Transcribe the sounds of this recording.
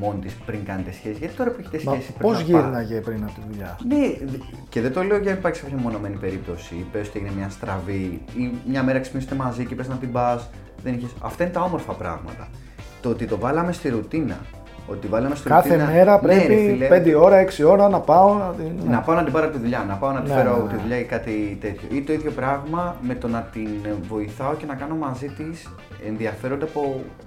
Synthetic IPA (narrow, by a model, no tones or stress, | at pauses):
mo̞nt̪ispɾiŋkɐnet̪e̞sçe̞sizʝɐt̪i̥t̪oɐpeçe̥t̪esmɐesipɾipozʝiɾnɐʝepɾinɐpot̪iðuʎɐne̞ | ce̞ðet̪o̞le̞oʝenipɐɾçisɐfɾemo̞no̞me̞nipe̞ɾip̚t̪o̞sipeosot̪ieʝinemɲɐst̪ɾɐviimɲɐme̞ɾɐeksi̥pniset̪e̞mɐzicepɾesnɐt̪ibɐs | ðe̞niçesɐ̰ft̪ɐine̞t̪ɐo̞mo̞ɾfɐpɾɐ̰ɣmɐ̰t̪ɐ | t̪oot̪it̪o̞vɐlɐme̞st̪iɾut̪inɐ̰ | ot̪ivɐlɐmest̪iɾkuɐθt̪ienɐmeɾɐpɾeiepend̪eo̞ɾɐeksio̞ɾɐnɐpɐonɐt̪inɐpɐonɐd̪ibɐɾoɐpot̪iðuʎɐnɐpɐonɐt̪ifeɾoɐot̪iðuʎɐkɐt̪it̪e̞t̪ço̞̰ʔit̪o̞iðʝo̞pɾɐɣmɐme̞t̪o̞nɐt̪invo̞iθɐo̞ce̞nɐkɐno̞mɐzit̪is | enðiɐfe̞ɾo̞nd̪eɐpo̞